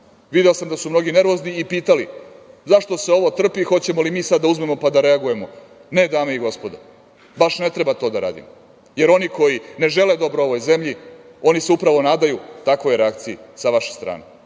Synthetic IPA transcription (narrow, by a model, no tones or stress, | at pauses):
ʋid̪eosamd̪asumnoɡine̞ɾʋo̞zniipiːt̪alizaʃt̪o̞se̞o̞ʋo̞t̪r̩pixo̞t͡ɕe̞molimiːsad̪dːauzme̞mo̞pad̪aɾe̞aɡuje̞mo̞ | ne̞d̪aːmeiɡo̞spo̞d̪o̰ | baʃne̞t̪ɾebat̪o̞d̪aɾa̰ːd̪ḭm | je̞ɾo̞niko̞jine̞ʒe̞led̪o̞bɾoo̞ʋo̞jze̞mʎi | o̞niseupɾaʋo̞naːd̪ajut̪akʋojeɾeakt̪siisaʋaʃest̪ɾa̰ːne